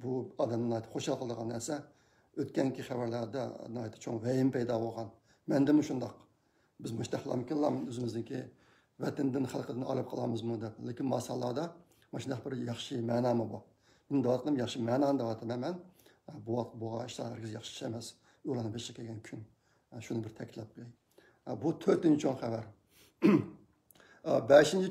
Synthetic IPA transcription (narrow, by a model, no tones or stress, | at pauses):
buɑd̪ɛmnɨnɑjt̪ʰɨ̥pχoʃɑlˠqʰlˠəd̪əʁɑnːæɾsɛ | øt̪kʲɛŋkʲiχævæɾlɑɾd̪ɑ̰ɨɑjt̪ʰɨ̥p̚t͡ʃʰoŋvɛjɪmpɛjd̪ɑbolˠʁɑn | mɛnd̪ɪmuʃund̪ɑq | bɪzmʊʃt̪æχlˠɑ̰mɪkʲʰinlˠɑmnøzɪmɪzd̪ɪkʲʰi | vɛt̪ɪnd̪ɪnχælˠqʰəd̪ɪnɑ̰lˠɨp̚qʰəlˠɑ̰mɨzmud̪ɛplɪkʲinmɑsɑlˠːɑd̪ɑ | mɑʃind̪ɑqbɪɾjɑχʃɨmɛːnɑːmɨbu | mɪnd̪ɛwɑt̪qʰəd̪ɨmjɑχʃimɛːnɑːnɨd̪ɛwɑt̪ʰmɛmɛn | buwɑt̪̚ʰboʁɑiʃlɑ̰æɾkʲizjɑχʃɨ̥ɛmɛs | olˠɑnɨbeʃkʲʰɛɡʲɛnkʲʰyn | ʃunɨbɪɾt̪ʰɛkʲit̪lˠɑp̚kʲlɛ | but̪ʰøɾt̪ynt͡ʃʰoŋχævæɾ | bɛʃint͡ʃʰi